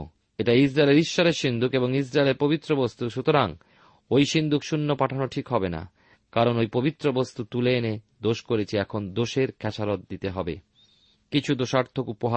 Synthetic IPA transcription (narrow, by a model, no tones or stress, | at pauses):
eʈaisɾaeleɾiʃːɔɾeɾʃind̪ʱukeboŋis̬ɾaeleɾpobit̪ːɾobost̪uʃut̪oɾaŋ | ojʃind̪ʱukʃunːopaʈʰanoʈʰikɦɔbena̰ | kaɾonojpobit̪ːɾobost̪ut̪uleːned̪oʃkoɾet͡ɕʰiɛkʰond̪oʃeɾkʰɛt͡ɕaɾot̪̚d̪it̪eɦɔbe | kit͡ɕʰud̪oʃaɾt̪ʰːokupoɦa